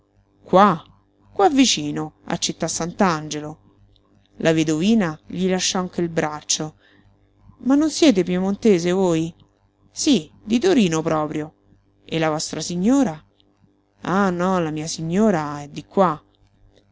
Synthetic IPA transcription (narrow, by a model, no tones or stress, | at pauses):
kwa | kːwavːit͡ʃiːnoa̰t͡ʃːet̪ːasːant̪and͡ʒelo | lʔaved̪oviːnaʎilaʃːɔaŋk̟eilbɾat͡ʃːo | manːonsjɛːt̪̬ep̬jumont̪eːzevoːj | si | d̪it̪oɾiːnopɾɔːpɾjo | ʔelːavɔst̪ɾasiɲːoːɾa | anɔlamiːasiɲːoːɾaɛd̪ːikwa